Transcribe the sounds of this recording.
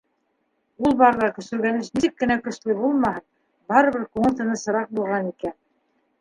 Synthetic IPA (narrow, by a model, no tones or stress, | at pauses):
ulˠbɑɾðɑkɵ̆sɵ̆ɾɡænɘʃnisɘkːɘ̆nækɵ̆ʃlɘbulˠmɑhɤn | bɑɾɤ̆βɘɾkuŋɤ̆lʲt̪ɤ̆nɤsɤ̆ɾɑq̚bulˠʁɑnikæn